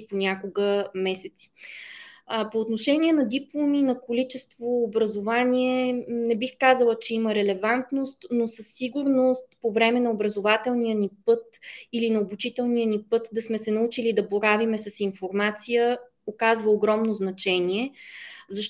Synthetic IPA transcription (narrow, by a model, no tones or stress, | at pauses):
ponʲakoɡəmɛsɛt̪si̥ | poːt̪noʃɛniɛnɐd̪iplˠominɐkolit͡ʃɛst̪voːbɾəzovanʲiɛnɛbixkazəlˠət͡ʃɛiməɾɛlɛvant̪nost̪nosəsːiɡuɾnost̪povɾɛmɛnɐobɾɐzovat̪ɛlˠnijənipɤt̪ilinɐobut͡ʃit̪ɛlˠnijənipɤt̪d̪ɐsmɛsɛnɐut͡ʃilid̪ɐboɾavimɛsɐsinfoɾmat̪sijə | okazvəoɡɾɔmnoznɐt͡ʃɛniɛzɐʃ